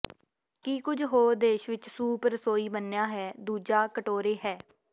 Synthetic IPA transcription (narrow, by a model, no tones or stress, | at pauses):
kiːkʊd͡ʒɦoːd̪eːʃʋɪt͡ʃsuːpəɾsoːiːbənːjaːɦɛːd̪uːd͡ʒaːkəʈoːɾeːɦɛː